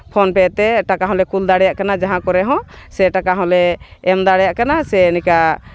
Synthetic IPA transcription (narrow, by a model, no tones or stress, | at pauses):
pʰɔnpɛt̪ɛʈakaɦɔ̃lɛkuld̪aɽɛjaʔkanad͡ʒaɦãkɔɾɛɦɔ̃sɛʈakaɦɔ̃lɛːmd̪aɽɛjaʔkanasɛnika